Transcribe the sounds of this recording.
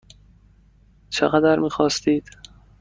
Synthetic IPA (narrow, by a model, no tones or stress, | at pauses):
t͡ʃʰḛɣæd̪æɾmiːxɒːst̪iːd̪̥